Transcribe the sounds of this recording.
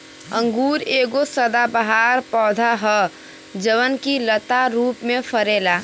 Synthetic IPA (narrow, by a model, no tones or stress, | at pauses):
ə̃ŋɡuːɾeːɡosəd̪abəɦaːɾpɔːd̪ʱaɦə | d͡ʒəʋənkilət̪aɾuːpmẽfəɾeːlaː